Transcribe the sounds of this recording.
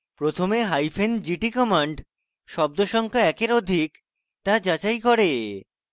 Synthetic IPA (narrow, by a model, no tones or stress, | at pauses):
pɾot̪ʰomeɦajfend͡ʑiʈikɔmaɳɖ | ʃɔb̚d̪oʃɔŋkʰaɛkeɾod̪ʱik | t̪ad͡ʑat͡ɕajkɔɾe